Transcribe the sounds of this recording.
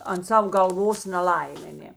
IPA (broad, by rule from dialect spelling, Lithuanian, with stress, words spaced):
ɐnt ˈsɐw ɡɐlˠˈʋoːs nʲɛˈlˠɐɪmʲeː ˈnʲeː